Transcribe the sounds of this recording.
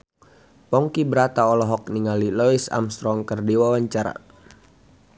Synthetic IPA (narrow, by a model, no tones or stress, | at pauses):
pɔŋkibəɾat̪aɔlɔɦɔk̚niŋalilɔisa̰mst̪ɾɔŋkərdiwawaɲt͡ʃaɾa̰